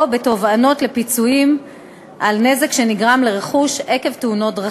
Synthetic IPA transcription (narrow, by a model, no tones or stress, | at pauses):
be̞to̞vano̞tle̞pit͡suim | ʔalne̞zekʃe̞niɡʁamleʁeχuʃe̞ke̞vtuno̞t̚dʁa